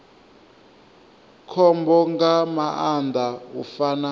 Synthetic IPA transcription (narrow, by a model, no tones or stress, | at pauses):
kʰɔmbɔŋɡamaand̪ʱaṵfaːna